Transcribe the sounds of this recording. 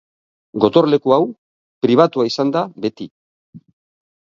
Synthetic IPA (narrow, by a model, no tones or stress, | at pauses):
ɡo̞t̪o̞ɾle̞kuaw | pɾiβ̞at̪uaisand̪abe̞t̪i